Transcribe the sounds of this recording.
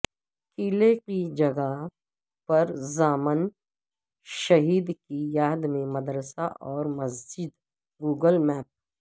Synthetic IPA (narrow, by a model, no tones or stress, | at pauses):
kiːlekid͡ʒɐɡa | pɐɾzaːmən | ʃɐɦiːd̪kijaːd̪mẽmɐd̪ɾəsaʔɔːɾmɐzd͡ʒɪd̪ | ɡuːɡəlmɛːp̚